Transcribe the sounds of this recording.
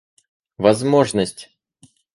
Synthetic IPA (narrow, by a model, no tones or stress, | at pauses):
vɐzmo̞ʐnəsʲtʲ